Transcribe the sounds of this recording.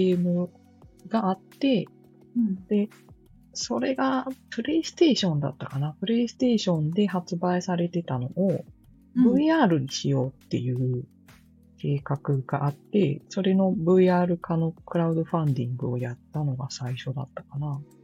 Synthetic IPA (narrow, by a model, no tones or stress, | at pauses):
emɯ̟ | ɡaat̪ːe̞ | d̪̥e̞ | so̞ɾe̞ɡapɯ̟ɾe̞isɨ̥t̪e̞ːɕõ̞nd̪a̰t̪ːakanapɯ̟ɾe̞isɨ̥t̪e̞ːɕõ̞nd̪e̞hat͡sɨbaisaɾe̞t̪e̞t̪ano̞ʔo | bɯ̟iaːɾɯ̟ɲ̟iɕijo̞ːt̪ːe̞̰jɯ̟ː | kʰe̞ːkakɯ̟ɡaʔat̪ːe̞so̞ɾe̞no̞bɯ̟iaːɾɯ̟kʰano̞kɯ̟ɾaɯ̟d̪o̞ɸãnd̪ʲĩŋɡɯ̟o̞̰jat̪ːano̞ɡasaiɕo̞d̪a̰t̪ːḁkana